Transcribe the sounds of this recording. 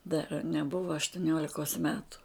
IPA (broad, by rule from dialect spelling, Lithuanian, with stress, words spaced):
dɐr nʲɛˈbʊʋɐ ɐʃtʊˈnʲoːlʲɪkoːs ˈmʲæːtʊ